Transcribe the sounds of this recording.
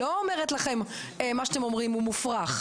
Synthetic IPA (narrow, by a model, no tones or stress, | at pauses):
oomeʁet̪laχe̞m | emaʃat̪emomʁimumufʁaχ